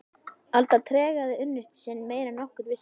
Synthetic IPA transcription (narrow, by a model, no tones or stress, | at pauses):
alt̪at̪ʰɾɛːɣaðɪʏnːʏst̪sɛnmeːjɾanɔhkʏɾvɪs